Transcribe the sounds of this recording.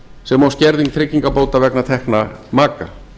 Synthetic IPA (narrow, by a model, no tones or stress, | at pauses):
sɛmawscɛɾðiŋkθʰɾɪcːiŋkapoːwt̪avɛknat̪ʰɛhknamaːka̰